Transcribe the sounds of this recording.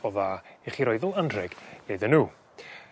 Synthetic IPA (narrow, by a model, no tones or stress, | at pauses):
ɔðaeχiɾɔɨðʊlˠandrɛɡeðənuː